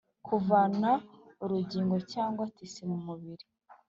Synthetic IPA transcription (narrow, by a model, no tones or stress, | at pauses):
kʰuvanauɾuɟiːŋɡo̞caːŋɡwatisimumuβiɾi